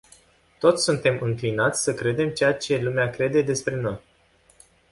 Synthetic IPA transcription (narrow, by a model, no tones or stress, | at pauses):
t̪o̞t̪sʲsunt̪e̞mʔɨŋklinat̪sʲsəkɾe̞d̪e̞mt͡ʃe̞jat͡ʃe̞lumeakɾe̞d̪e̞d̪e̞spɾe̞no̞j